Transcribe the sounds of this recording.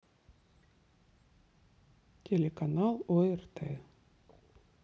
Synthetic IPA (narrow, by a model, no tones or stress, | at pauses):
tʲelʲekanɑlˠojərt̪e